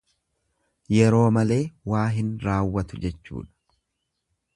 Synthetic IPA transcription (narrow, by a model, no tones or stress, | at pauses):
jɛɾo̞ːmɐle̞ːwaːɦɪnɾaːwːɐt̪ʊd͡ʒɛt͡ʃːṵːᶑɐ̥